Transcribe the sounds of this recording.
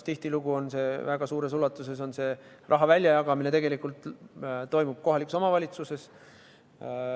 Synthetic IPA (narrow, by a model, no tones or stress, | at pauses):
st̪iht̪iluɡuo̞nse̞ːvæɡ̥ɑsuːɾe̞sulːɑt̪ːˑuse̞s̬o̞nse̞ː | rʔɑɦɑvælʲːjɑjɑɡ̥ɑmine̞t̪e̞ɡelikˑult̪ˑt̪o̞jmub̥̚ko̞ɦɑlikusomɑvɑlʲit̪suse̞s